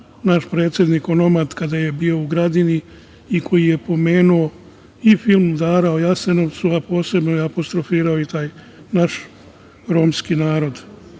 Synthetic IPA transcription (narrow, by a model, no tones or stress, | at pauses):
naʃpɾeːt̪sʲjed̪niko̞no̞mad̪kad̪aje̞biːo̞uɡɾad̪ini | ikʰo̞jije̞po̞me̞ːnuo̞ | ifilˠmd̪aːɾao̞jaseno̞ʋt̪suapo̞ːse̞bnojeapo̞st̪ɾofiːɾaoit̪aːj | naʃ | ɾoːmskinaːɾo̞d̪